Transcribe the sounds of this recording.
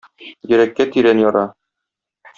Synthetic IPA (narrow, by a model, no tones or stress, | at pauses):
jɘ̆ɾækːæt̪iɾænjɒɾɑ